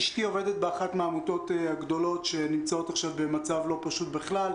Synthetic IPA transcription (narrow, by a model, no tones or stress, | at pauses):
ʃtio̞ve̞det̪̚beaχat̪maːmut̪o̞t̪aɡd̪o̞lo̞tʃe̞nimt͡sao̞t̪aχʃavbe̞mat͡savlo̞paʃut̪beχlal